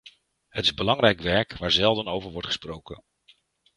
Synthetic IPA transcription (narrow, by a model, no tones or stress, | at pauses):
ɦətɪzbəlɑŋrɛjkʋɛɹkʋaːɹzɛlˠdənowvəɹʋɔɹtχə̥sprowkə̰n